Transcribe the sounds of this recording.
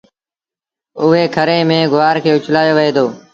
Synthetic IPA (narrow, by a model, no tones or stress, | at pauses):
ʊɦeːkʰəɾẽːmẽːɡʱʊʋaːɾkʰeːʊt͡ʃʰlaːjoːʋəɦeːd̪oː